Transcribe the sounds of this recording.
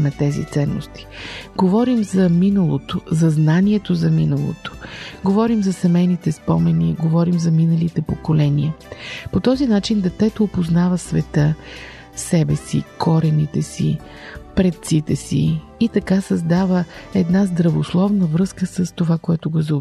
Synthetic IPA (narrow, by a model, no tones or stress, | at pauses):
nɐt̪ɛzḭt̪sɛnːo̰st̪i̥ɡovɔɾimzɐminəlˠot̪ozɐznaniɛt̪ozɐminəlˠo̰t̪o̥ɡovɔɾimzɐsɛmɛjnit̪ɛspɔmɛniɡovɔɾimzɐminəlit̪ɛpokolɛniəpot̪ɔzinat͡ʃind̪ɛt̪ɛt̪oːpoznavəsvɛt̪ə | sɛbɛsḭkʰɔɾɛnit̪ɛsḭ | pɾɛt̪t̪sit̪ɛsḭːt̪ɐkasɐzd̪avəɛd̪nazd̪ɾɐvoslˠɔvnəvɾɤskəsəst̪ovakoɛt̪ʊɡozə